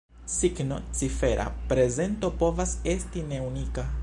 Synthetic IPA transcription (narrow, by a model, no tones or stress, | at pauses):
siɡno̞̰t͡sife̞ɾʔa̰pɾe̞ze̞nto̞po̞vase̞stine̞unika